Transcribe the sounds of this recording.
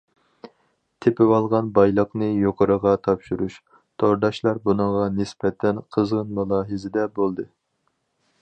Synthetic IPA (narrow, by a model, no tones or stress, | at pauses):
t̪ʰepɪwɑlˠʁɑnbɑjlˠəqnɨjoqʰəɾəʁɑt̪ʰɑpʃuɾuʃ | t̪ʰoɾd̪ɑʃlˠɑɾbunɨŋʁɑnɪsbɛt̪ʰːɛnqʰəzʁənmulˠɑːɦɨzɪd̪ɛbolˠd̪ɨ